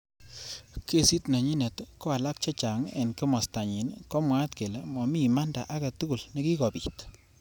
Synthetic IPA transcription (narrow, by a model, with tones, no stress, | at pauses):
ke˦si˦tna˨ɲi˦ne˨tko˦a˨la˦k̚t͡ʃa˦t͡ʃa˨ŋḛ˨nkɪ˦mɔ˨sta˨ɲi˨nkɔ˦mwa˦tke˨le˦mɔ˨mi˦ma˦nda̰˨ʔa˦ɡa˨tu˦ku˨lne˦ki˦kɔ˨pi˨t